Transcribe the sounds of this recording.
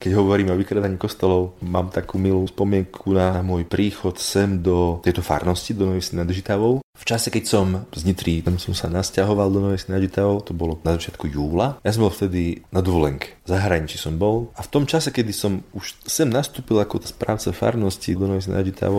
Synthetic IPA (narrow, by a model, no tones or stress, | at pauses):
kɛɟɦɔʋɔɾiːmɔʋikɾad̪aɲikɔst̪ɔlɔʊmaːmt̪akuːmiluːspɔmɪɛŋkʰunamʊɔjpɾʔiːxɔt̪sɛmd̪ɔt̪ɛjt̪ɔfa̰ɾnɔscid̪ɔnɔʋisinad̪ʒit̪aʋɔʊft͡ʃasɛkɛcsɔmzɲit̪ɾiːɛmsɔmsanascaɦɔʋald̪ɔnɔʋɛsinaʒit̪aʋɔʊt̪ɔbɔlɔnazat͡ʃɪat̪kujuːlajas̬ɔmbɔlft̪ɛd̪inad̪ɔʋɔlɛŋkɛ̥zaɦɾaɲit͡ʃisɔmbɔlaft̪ɔmt͡ʃasɛkɛd̪isɔmuʃsɛmnast̪uːpilˠakɔspɾa̰ːʊt͡safa̰ɾnɔscid̪ɔnɔʋɛs̬ina̰ʒit̪ʰa̰ʋɔ